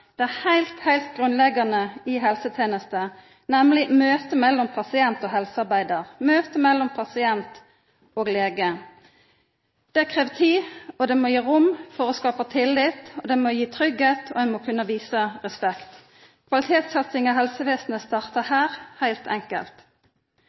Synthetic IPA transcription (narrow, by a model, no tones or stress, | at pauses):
d̪̥ɛæːʁhæɪlt̪hæɪlt̪̚ɡʁʉnlɛɡɑnəiɦɛlsət̪ʰeːnəst̪ə | nɛmlɪmøːt̪əmɛlːɔmpʰɑsɪɛnt̪oːɦɛlsəɑʁbæɪd̪əʁmøːt̪əmɛlːɔmpʰɑsɪɛnt̪ | oːɡleːɡə | d̪̥ɛkʰʁeːʋt̪ʰiːɔd̪ɛmojiːʁʊmfɔʁɔskɑːpɑt̪ʰɪlːɪt̪ɔd̪ɛmɔjiːt̪ʰʁʏɡheːt̪ʰo̰æmɔkʰʉnːəʋiːsəʁɛspɛkt̪ | kʰʋɑlɪt̪ʰeːt̪sɛt̪sɪŋɑɦɛlsəʋeːsn̩əst̪ɑːʁt̪əhæːʁhæɪlt̪ʰɛŋkə̰lt̪